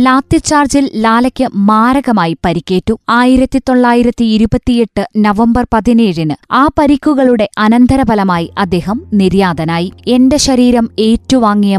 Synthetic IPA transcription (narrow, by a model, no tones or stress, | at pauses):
laːt̪ːit͡ɕːaːrd͡ʑillaːlɐkʲːɨmaːɾɐɣɐmaːjipɐɾikʲːe̞ːtːuaːjiɾɐt̪ːit̪o̞ɭːaːjiɾɐt̪ːiːɾubɐt̪ːije̞ʈːɨnɐʋɐmbɐrpɐðineːɻinɨaːpɐɾikːuɣɐɭuɽe̞ʔɐnɐnd̪ʱɐɾɐbɐlɐmaːjiʔɐd̪ːe̞ːɦɐmniɾjaːd̪ɐnaːjie̞nde̞ɕɐɾiːɾɐme̞ːtːuʋaːŋːijɐ